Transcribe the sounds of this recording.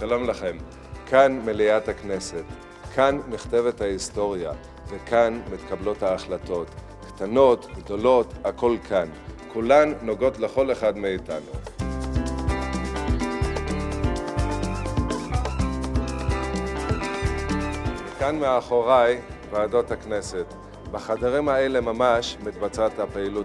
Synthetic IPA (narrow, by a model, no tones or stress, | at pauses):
ʃalo̞mlaχe̞m | kʰanmeliathakne̞se̞t | kʰanniχt̪eve̞thaisto̞ʁja̰ | vekʰanmit̪kablo̞thaːχlato̞t | kt̪ano̞tɡdo̞lo̞tako̞lkʰankʰulanːo̞ɡo̞tle̞χo̞le̞χadmeitanṵ | vekanmeaːχo̞ʁajvaːdo̞thakne̞se̞t | baχadaʁimaele̞mamaʃmit̪bat͡satapeilu